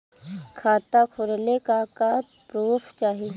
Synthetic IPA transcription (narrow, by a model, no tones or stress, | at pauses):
kʰaːt̪akʰʊɾnekaka | pɾuːfʰt͡ʃaːɦi